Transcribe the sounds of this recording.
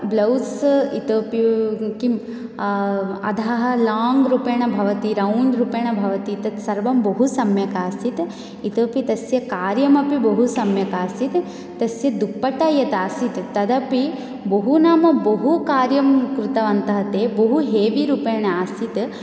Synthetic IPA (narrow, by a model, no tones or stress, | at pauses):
blɐwsit̪oːpikim | ɐ̰d̪ʱaːɦɐ̆laːŋɡɾupɐːɳɐbʱɐʋɐt̪iɾɐwɳɖɾupeːɳɐbʱɐʋɐt̪it̪ɐt̪sɐɾʋɐmbɐɦusɐmjɐkaːsit̪ | it̪əːpit̪ɐsjɐkaːɾjɐmɐpibɐɦusɐmjɐkaːsit̪ | t̪ɐsjɐd̪upːɐʈɐjɐt̪aːsit̪t̪ɐd̪ɐpi | bɐɦunaːmɐbɐɦukaːɾjɐmkɾut̪ɐʋɐnt̪ɐɦɐt̪eːboɦuɦeːʋiɾuːpeːɳɐaːsit̪